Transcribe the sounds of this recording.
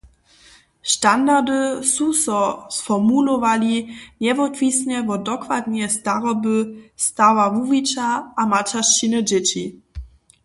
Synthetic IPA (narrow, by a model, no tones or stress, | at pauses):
ʃtand̪aʁd̪ɘsusɔsfɔmulɔvalʲiɲɛvɔt̪vʲisɲɛvɔdɔkvad̪ɲɛst̪aʁɔbɘst̪awamuvʲit͡ɕaʔamat͡ʃaʂt͡ɕinɘd͡ʑɛt͡ɕi